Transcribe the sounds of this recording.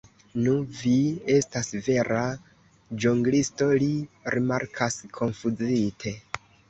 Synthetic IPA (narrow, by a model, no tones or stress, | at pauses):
nuvie̞stasve̞ɾa | d͡ʒuŋɡlisto̞liɾimaɾkʰaskʰo̞nfud͡zitʰe̞